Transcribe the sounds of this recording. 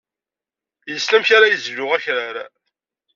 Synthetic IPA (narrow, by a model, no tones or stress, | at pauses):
jəslæmçaɾajəzʝʊʁæçɾaɾa